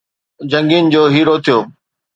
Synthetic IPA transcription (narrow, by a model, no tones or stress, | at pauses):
d͡ʑɐ̃ŋɡind͡ʑoːɦiːɾot̪ʰijoː